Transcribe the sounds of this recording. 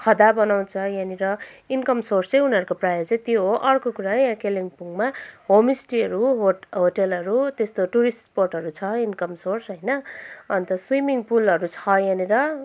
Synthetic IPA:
kʰʌd̪abʌnaw̃t͡sʰʌjãniɾʌinkʌmsorst͡sʌ̃j̃uniʌɾukoprajʌt͡sʌ̃j̃t̪joɦoʔʌrkokuɾajãkeliŋpuŋmaɦomisʈiʌɾuɦoɦoʈelɦʌɾut̪est̪oʈuɾisporʈɦʌɾut͡sʰʌinkʌmsorsɦʌjnʌʌnt̪ʌswimiŋpulʌɾut͡sʰʌjaniɾʌ

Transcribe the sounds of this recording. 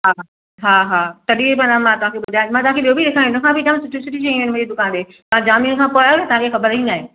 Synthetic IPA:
ɦaː | ɦaːɦaːt̪ɐɗipanamãt̪ɐʋãːkʰeɓʊd̪ʱaːmãːt̪ɐʋãkeɓiːobiɗekʰãːõnʊ̃kʰãːbid͡ʑamsʊʈʰisʊʈʰiʃeĩnmʊ̃d͡ʑid̪ʊkãːndeː | t̪ɐãd͡ʑaːmijʊ̃nkʰãːpoajoet̪ɐʋãkʰexɐbəɾĩnaːɦẽː

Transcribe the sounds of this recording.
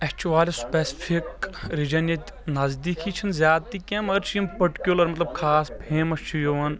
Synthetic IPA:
ɛkt͡ʃuʋaːlʲispesi̥pʰikɾid͡ʒɐnjɐt̪ʲ | nɐzd̪iːkʰit͡ʃʰinzjaːt̪iːkɐmɐɾt͡ʃʰijɐmpɐʈkʲulɐɾmɐt̪lɐb̚kʰaːsbʰeːmɐst͡ʃʰijoʋɐn

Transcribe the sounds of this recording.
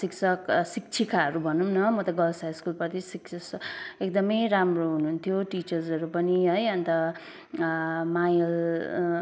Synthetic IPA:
siksʰʌksik̚t͡sʰikaɦʌɾubʱʌnumnʌmʌt̪ʌɡʌlsajskulpʌrt̪ʰisiksʰʌsek̚d̪ʌmʌjɾamroɦununt̪ʰjoʈit͡ʃʌrzʌɾupʌniɦʌjʌnt̪ʌ | majʌl

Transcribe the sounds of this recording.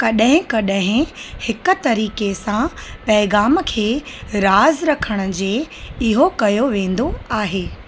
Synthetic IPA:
kɐɗɦɪ̃kɐɗɦɪ̃hɪkʊ̆t̪ɐɾiːkesãpɐːɪɣaːmkʰeːɾaːzɾɐkʰəɽ̃ʊ̆d͡ʑeːɪɦokɐjoʋẽːn̆d̪oaːɦeː

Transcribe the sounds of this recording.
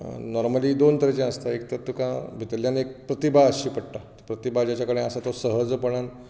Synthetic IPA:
nɔɾməlid̪ont̪əɾet͡ɕẽəst̪aek̚t̪əɾt̪ukãbʱit̪əltjanek̚pɾət̪ibʱaəɕiːpəɽʈat̪ipɾət̪ibʱad͡ʑat͡ɕjakəɽẽasat̪osəɦəd͡zpəɽan

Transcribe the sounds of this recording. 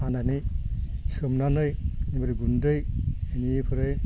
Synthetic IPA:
anani | sɯmnanɯjnibaɾiɡundɯjenipʰɯɾɯj

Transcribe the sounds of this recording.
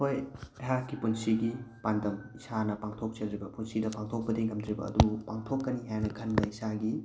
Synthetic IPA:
hojɐɦakːipunsiɡipandɐmisanɐpaŋtʰok̚t͡ʃelɾibɐpunsidɐpaŋtʰok̚pɐdeŋɡɐmdɾibɐ̰ːdupaŋtʰokːɐniɦajnɐkʰɐndɐisaɡi

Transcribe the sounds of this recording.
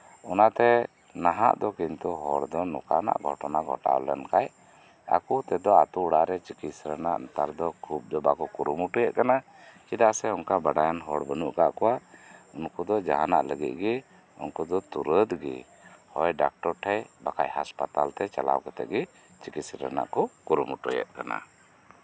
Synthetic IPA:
ɔnat̪ɛ | naɦa̰ʔd̪ɔkint̪uɦɔɽd̪ɔnɔ̰kana̰ʔɡʱɔ̰ʈɔnaɡʱɔ̰ʈa̰wlɛnkaj | a̰kut̪ɛd̪ɔat̪uɽaɾɛt͡ʃikit̪sɾənaʔnt̪aɾd̪ɔkʰub̚d̪ɔbakɔkuɾumuʈujɛʔkana | t͡ʃid̪aʔsɛɔŋkabaɖajanɦɔɽbənuʔkaʔkɔwaunkud̪ɔd͡ʒaɦanaʔləɡit̪̚ˀɡɛ | ṵnkud̪ɔt̪uɾəd̪ɡɛ̰ | hɔjɖak̚ʈɔɾʈʰɛjbakajɦaspat̪alt̪ɛt͡ʃala̰wkɛt̪ɛ̰ʔ̚ɡɛ | t͡ʃikit̪sɾə̰na̰ʔkɔkuɾumuʈɔjɛ̰ʔ̪̚kana̰

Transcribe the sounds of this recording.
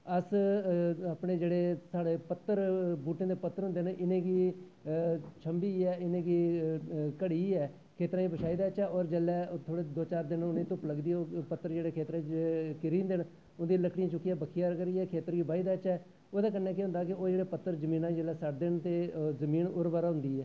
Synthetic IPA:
əs | apɳeːd͡ʒeːɽeːsaːɽeːpət̪ːəɾbuːʈẽːd̪eːpət̪ːəɾɦʊnd̪eːnʔɪnẽːɡiː | t͡ʃʰəmbiːɛːɪnẽːɡiː | kəɽiːɛː | kʰeːt̪ɾãːĩːbəʃaːiːd̪aːət͡ʃɛːɔːɾd͡ʒɛːlɛːt̪ʰoːɽeːd̪oːt͡ʃaːɾd̪ɪnʊnẽːt̪ʊpləɡd̪iːopət̪ːəɾd͡ʒeːɽeːkʰeːt̪ɾãːkɪɾĩːnd̪ɪn | ʊnd̪iːləkɽiãːt͡ʃʊkːiːɛːbəkʰijaːɾkəɾiːɛːkʰeːt̪əɾɡiːbʱaːiːd̪aːət͡ʃɛː | oːd̪aːkənːɛːk̬iɦʊ̃nd̪aːkɪoːd͡ʒeːɽeːpət̪ːəɾzəmiːnãːd͡ʒəːlɛːsəʈd̪ɪnt̪eːzəmiːnʊɾʋaːɾaːɦʊ̃nd̪iːɛː

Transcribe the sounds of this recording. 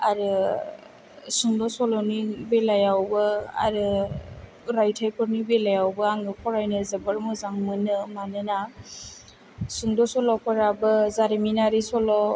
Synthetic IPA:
aɾɯ | suŋdɔsɔlɔnibelajawbɯa̰ɾɯ | ɾajtʰajpʰɯɾnibelajawbɯaŋɡɯkʰɔɾajnɯzebɯɾmɯzaŋmɯnɯmanɯna | suŋdɔsɔlɔpʰɔɾabɯzaɾiminaɾisɔlɔ

